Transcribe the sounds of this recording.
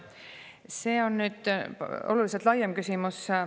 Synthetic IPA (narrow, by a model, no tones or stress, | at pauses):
se̞ːo̞nːyːd̪̥o̞̰luliselt̪ˑlɑjemkysimus